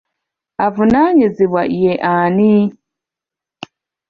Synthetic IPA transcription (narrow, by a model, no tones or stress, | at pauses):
avunaɲiziβwa̰ʔijeʔani